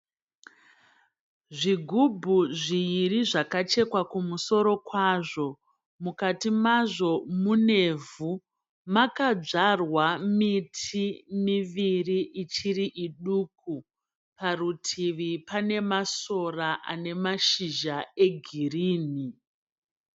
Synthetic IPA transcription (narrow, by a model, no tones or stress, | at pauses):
ʐiɡʱubʱuʐiiriʐakat͡ʃe̞kwakumuso̞ɾo̞kwaːʐo̞ | mukatimaʐo̞mune̞vu | makad͡ʐarwamitʰimiʋiriʔit͡ʃiriʔiɗuːku | parutʰiʋipane̞maso̞raʔa̰ne̞maʃiʒae̞ɡʱiriːni